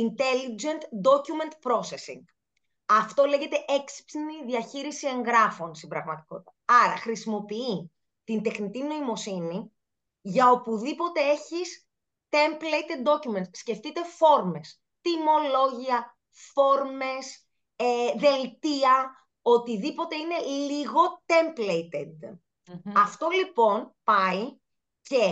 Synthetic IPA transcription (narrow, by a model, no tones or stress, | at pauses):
int̪e̞lid͡ʒe̞nt̪d̪o̞cume̞nt̪pɾo̞se̞sḭŋɡ | ɐft̪o̞le̞ʝe̞t̪eʔeksi̥psiniðiɐçiɾisie̞ŋɣɾɐfo̞nst̪imbɾɐɣmɐt̪i̥ko̞t̪it̪ɐɐɾɐ̰xɾisimo̞pii | t̪ind̪e̞xnit̪ino̞imo̞sini | ʝɐo̞puðipo̞t̪e̞e̞çis | t̪emplejt̪ed̪̚d̪o̞cument̪sːce̞ft̪it̪e̞fo̞ɾme̞s | t̪imo̞lo̞ʝiɐ | fo̞ɾme̞s | eðe̞lt̪iɐ | o̞t̪iðipo̞t̪e̞ine̞lliɣo̞t̪e̞mplejt̪ed̪ | ɐft̪o̞lipo̞npɐi | ce̞